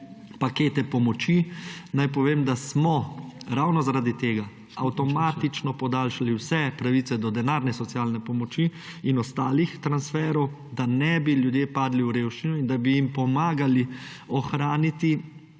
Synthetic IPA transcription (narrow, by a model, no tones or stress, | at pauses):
pakeːt̪ɛpɔmɔt͡ʃinajpɔʋeːmd̪asmɔɾawnɔzaɾaːd̪it̪eːɡa | awt̪ɔmaːt̪it͡ʃnɔpɔd̪aːlʃaliwsɛpɾaʋiːt̪sɛd̪ɔd̪ɛnaːɾnɛsɔt̪siaːlnɛpɔmɔt͡ʃi | inɔst̪aːlixt̪ɾansfɛːɾɔw | d̪anɛbiljud̪jeːpaːd̪liwɾeːwʃt͡ʃinuind̪abijimpɔmaːɡali | ɔxɾaːnit̪i